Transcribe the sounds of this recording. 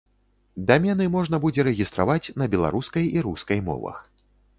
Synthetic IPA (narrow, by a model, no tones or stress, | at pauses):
d̪amʲɛnɨmɔʐnɐbud͡zʲɛɾɛɣʲist̪ɾa̰vat͡sʲnɐbʲɛlˠa̰ɾuskɐjiɾuskɐjmɔ̰vɐ̰x